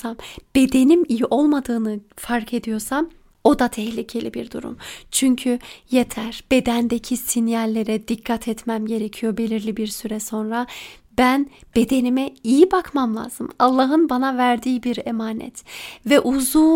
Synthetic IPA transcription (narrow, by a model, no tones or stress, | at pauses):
amb̥e̞d̪e̞nimijiʔo̞lˠmad̪ɯːnɯfaɾkʰe̞d̪ijo̞ɾsam | o̞d̪at̪ʰɛhlʲicʰe̞lʲibiɾd̪ṵɾṵmt͡ʃʰyɲcʰyje̞t̪ʰæɾb̥e̞d̪ænd̪ecʰisinjalʲːe̞ɾɛd̪ikʰːat̪ʰɛt̪mæmɟe̞ɾecʰijo̞be̞lʲiɾlʲibiɾsyɾɛso̞nɾa | bænb̥e̞d̪e̞nimɛijibakmamlˠa̰ːzɯ̰malˠːaɦɯnbanavæɾd̪iːbiɾemaːnɛ̰t̪vɛʔuzuː